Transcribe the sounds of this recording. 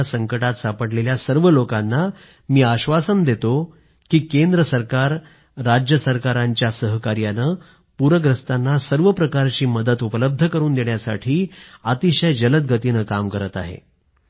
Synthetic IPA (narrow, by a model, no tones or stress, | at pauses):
asəŋkəʈat̪sapəɽleljasəɾʋəlokanːa | miːaɕʋasənd̪et̪o | kiːkend̪ɾəsəɾkaɾː | ad͡ʑjəsəɾkaɾaɲt͡ɕjasəɦkaɾjanəː | puɾəɡɾəst̪anːasəɾʋəpɾəkaɾt͡ɕiːməd̪ət̪upələb̚d̪ʱəkəɾuːnd̪eɳjasa̰ʈʰiːat̪iɕəjd͡ʑələt̪̚ɡʱət̪inəkamkəɾət̪a̰ɦḛ